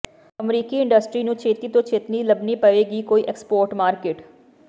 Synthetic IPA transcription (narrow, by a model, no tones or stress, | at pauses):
əmɾiːkiːɪ̃ɳɖəsʈɾiːnũːt͡ʃʰeːt̪iːt̪õːt͡ʃʰeːt̪niːləbniːpəʋeːɡiːkoːiːʔɛkspoːɾʈmaːɾkeːʈ